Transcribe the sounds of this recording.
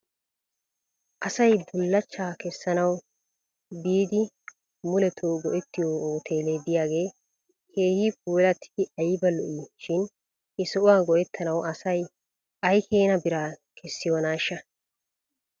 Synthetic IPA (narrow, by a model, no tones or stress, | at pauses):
ʔɐsɐjbʊlːɐt͡ʃːaːkɛsːɐnɐw | biːd̪ɪ | mʊlɛt̪ʰoːɡɔʔɛt̪ːɪjoːoːt̪ʰe̞ːleːd̪ɪjaːɡe̞ː | kʰe̞ːhip̚uːlɐt̪ʰːɪ̥ɪʔɐjɪbɐlɔʔiʃɪn | hɪsɔʔʊwaːɡɔʔɛt̪ʰːɐnɐwɐsɐj | ɐjkʰeːnɐbɪɾaːkʰɛsːɪjoːnaːʃːɐ